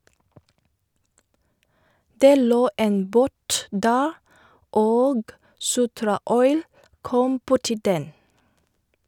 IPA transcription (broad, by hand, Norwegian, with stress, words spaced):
ˈdeː ˈloː ˈeːn ˈboːt ˈdæːɾ ˈoːɡ ˈsʊtɾɑˌɔʏl ˈkɔm ˈbʊʈɪ ˈdɛn